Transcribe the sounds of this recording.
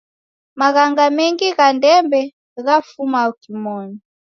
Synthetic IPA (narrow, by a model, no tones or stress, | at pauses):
maɣaŋɡamɛŋɡiɣandɛmbɛ | ɣafumaɔkimɔni